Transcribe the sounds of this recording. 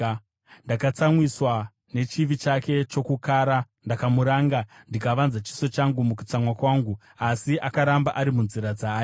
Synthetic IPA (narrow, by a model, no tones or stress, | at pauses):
ndakat͡samwiswa | ne̞t͡ʃiʋit͡ʃake̞t͡ʃo̞kukaːɾa | ndakamuɾaːŋɡandikaʋanzat͡ʃi̥so̞t͡ʃaŋɡumukut͡samwakwaːŋɡu | asiʔakaɾambaʔaɾimunziɾad͡zaː